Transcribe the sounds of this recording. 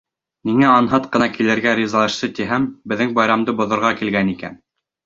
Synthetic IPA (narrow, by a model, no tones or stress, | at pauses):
niŋæɑnɦɑt̪qɤ̆nɑkilɘ̆ɾɡæɾʲizɑlˠɑʃsɤt̪iɦæmbɘ̆ðːɘŋbɑjɾɑmd̪ɤbŏðŏɾʁɑkilɡænikæ̰n